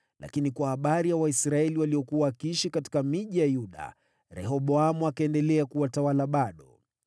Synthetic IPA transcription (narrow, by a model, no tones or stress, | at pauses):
la̰kinikwahaɓaɾijawaisɾaɛliwaliɔkuwakiiʃikati̥kamiʄijajuɗa̰ | ɾɛ̰ɦɔɓɔamuakaɛndɛlɛakuwatawalaɓaɗɔ